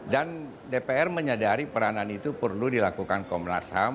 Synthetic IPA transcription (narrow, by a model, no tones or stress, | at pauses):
dan | depeɛrməɲadaɾipəɾananit̪upərludilakukankɔmla̰sha̰